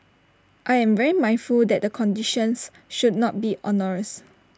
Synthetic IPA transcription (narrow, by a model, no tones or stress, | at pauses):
ʔajɛ̃mvɛɹimãj̃nfuldɛt̚dəkʰɔ̃ndiʃə̃ns | ʃudnɔt̚biʔɔnɔɹəs